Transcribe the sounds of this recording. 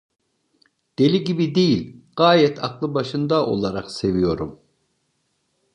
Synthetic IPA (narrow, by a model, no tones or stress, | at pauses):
d̪̥e̞lʲiɟibid̪ejilʲɡ̥aːjɛt̪ʰa̰klˠɯbaʃɯnd̪aʔo̞̰lˠaɾaqse̞vijo̞ɾum